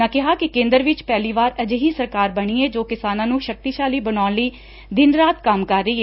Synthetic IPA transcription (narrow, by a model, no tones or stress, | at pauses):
ãːkɪɦaːkɪkẽːnd̪əɾʋɪt͡ʃpɛːliːʋaːɾəd͡ʒeɦiːsəɾkaːɾbəɳ̃iːeːd͡ʒoːkɪsaːnãːnũːʃək̚t̪iːʃaːliːbəñaːnləiː | d̪ɪnɾaːt̪kəmkəɾːəiːeː